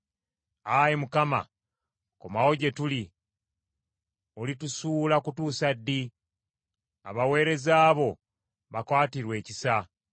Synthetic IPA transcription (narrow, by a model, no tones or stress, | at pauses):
ajimukama̰ | kumao̞ɟe̞tuli | olitusuːlakutuːsadːi | a̰βawe̞ːɾe̞zaːβo̞ | βakwaːtiɾwe̞ːcisa